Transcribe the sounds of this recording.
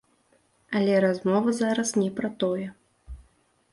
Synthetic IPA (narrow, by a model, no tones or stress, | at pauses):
ɐlʲɛɾazmɔvɐzaɾɐsnʲɛpɾɐt̪ɔjɛ